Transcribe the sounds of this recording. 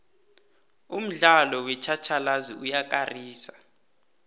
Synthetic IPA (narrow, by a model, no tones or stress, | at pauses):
um̩ɮalɔwɛt͡ʃʰat͡ʃʰalaziujak̬ʼariːsa